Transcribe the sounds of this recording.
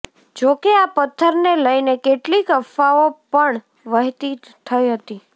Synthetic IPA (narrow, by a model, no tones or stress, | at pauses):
d͡ʒokeapət̪ʰːəɾneləjnekeʈlikəfaopəɳ | ʋəɦt̪i | t̪ʰəjɦət̪i